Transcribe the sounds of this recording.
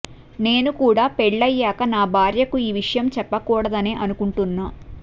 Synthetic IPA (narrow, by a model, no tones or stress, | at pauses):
ne̞ːnukuːɽaːpɛɭːɐjːaːkɐnaːbʱaːɾjɐkuiːʋiʂɐjɐmt͡ʃɛpːɐkuːɽɐd̪ɐneːʔɐnukuɳʈunːaː